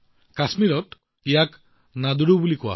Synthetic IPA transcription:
kasmiɾɔt | ijak | nad̪uɾubulikua̰

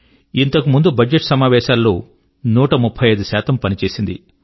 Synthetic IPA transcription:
int̪ɐkumund̪ubʱɐd͡ʒeʈsɐmaːʋɛːʃaːlːoː | nuːʈɐmupʰːɐjɐjd̪usaːt̪ɐmpɐnit͡ʃe̞ːsind̪ḭ

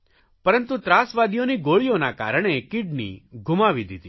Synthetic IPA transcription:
pəɾənt̪ut̪ɾasʋad̪ijoniɡoɭionaka̰ɾəɽ̃ekɪɖnḭɡʱumaʋid̪it̪i

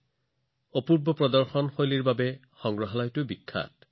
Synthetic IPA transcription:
opuɹbɔpɹɔdɔɹxɔnxojliɹbabɛ | xɔŋɡɹɔɦalajtʊbikʰːa̰t

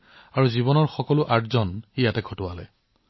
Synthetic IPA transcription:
aɹuziβɔnɔɹxɔkɔlʊʔaɹzɔnijatɛɡʰʱɔtʊwalɛ̰

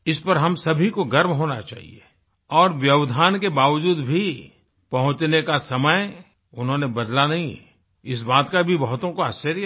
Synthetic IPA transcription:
ɪspɐɾɦɐmsɐbʱikoɡɐɾmɦoːna̰t͡ʃa̰ːɦḭḛ | ɔːɾʋjɐʋd̪ʱaːnkebaːʋd͡ʒuːd̪bʱi | pɐɦʊ̃t͡ʃnekasɐməj | ʊnɦõːnebɐd̪lanɐɦĩ | ɪsbaːt̪kabʱibɐɦʊt̪õkoast͡ʃəɾj

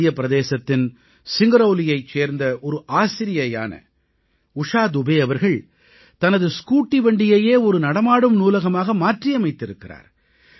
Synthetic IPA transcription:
ɪjɐpɪɾɐðeːsɐt̪ːɪn | sɪŋɡɐɾoːlɪjɐɪt͡ʃːeːɾnd̪ɐʔɔɾɯʔaːsɪɾɪjɐja̰ːnɐ̰ | ʊʂaːd̪ʊbeːɐʋɐɾɣɐɭ | t̪ɐnɐðɯskuːʈːiʋɐɳɖɪjejeːɔɾɯnɐɽɐmaːɽɯmnuːlɐɣɐmaːɣɐmaːʈrijɐmɐɪt̪ːɪɾɯkːɪra̰ːɾ

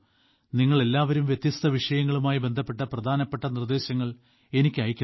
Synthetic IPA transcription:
niŋːɐɭe̞lːaːʋɐɾumʋjet̪jɐst̪ʰɐʋiʂɐjɐŋːɐɭumaːjibe̞nd̪ʱɐpːe̞ʈːɐprɐd̪ʱaːnɐpːeʈːɐnird̪e̞ːɕɐŋːɐɭ | e̞nikʲːɨɐjkʲːu

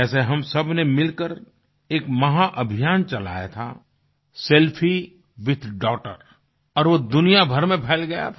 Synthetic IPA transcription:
ɛːseɦɐmsɐbnemɪlkəɾ | eːkmɐɦaʔɐbʱijaːnt͡ʃɐla̰ːja̰t̪ʰa̰ | sɛlpʰi | ʋɪd̪ʰʱɖɔːʈə̰ɾ | ɔːɾʋod̪ʊnijabʱɐɾmẽpʰɛːlɡɐja̰t̪ʰ

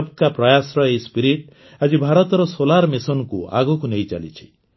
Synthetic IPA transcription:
b̚kapɾɔjasɾɔejspiɾiʈ | ad͡ʒibʱaɾɔt̪ɔɾɔsolaɾmesɔnɔkua̰ɡɔkunejt͡ʃa̰lit͡ʃʰi̥

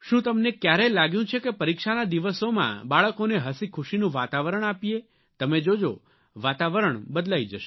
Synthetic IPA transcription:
ʃũt̪əmnekjaɾelaɡjũt͡ʃʰekepəɾikʃanad̪iʋəsomã̰baɭəkoneɦəsikʰuʃinũʋat̪aʋəɾəɳ̃apije | t̪əmed͡ʒod͡ʒo | ʋat̪aʋəɾəɳbəd̪laid͡ʒəʃe

